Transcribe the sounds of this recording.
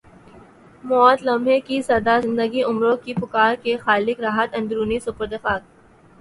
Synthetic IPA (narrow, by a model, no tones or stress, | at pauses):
mɔːt̪lɐmɦekisɐd̪azɪ̃nd̪əɡiʔʊmɾõkipʊkaːɾkexaːlɪkɾaːɦət̪ɐ̃nd̪ɾuːnisʊpəɾd̪ɐfaːk̚